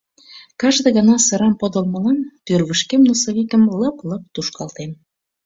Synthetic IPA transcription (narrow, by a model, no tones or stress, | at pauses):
kɑʒd̪ĕɣənɑsə̆ɾɑmpod̪ə̆lmə̆lɑnt̪ørβəʃkemnosoβikəmləplɤp̚t̪uʃkɑlt̪em